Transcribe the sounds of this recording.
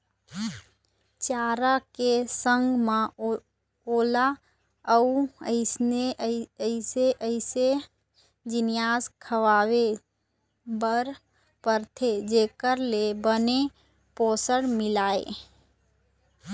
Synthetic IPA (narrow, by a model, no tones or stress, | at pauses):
t͡ʃaːɾakesə̃ŋɡmẽ | oːla | əuəɪsneɪseʔəɪse | d͡ʒɪnɪjaːskʰəʋaːwe | bəɾ | pəɾt̪ʰed͡ʒeːkəɾlebəne | poːsəɽmɪlaːḛː